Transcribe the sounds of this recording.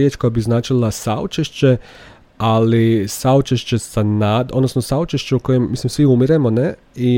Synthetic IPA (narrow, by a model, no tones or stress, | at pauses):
et͡ʃkojabiznaːt͡ʃilˠasaot͡ʃeʃt͡ɕe̞ | alisaut͡ʃeʃt͡ɕesanad̪o̞d̪nosnosaut͡ʃeʃt͡ʃeuko̞jemːislimsʋiumiɾe̞mone̞ | i